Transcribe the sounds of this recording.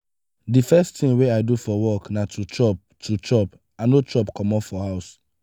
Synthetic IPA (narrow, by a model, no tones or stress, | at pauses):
difɛstĩŋweaɪdufɔwɔknatʰut͡ʃɔp | tʰut͡ʃɔp | anot͡ʃɔpkʰɔmɔpfɔhaʊs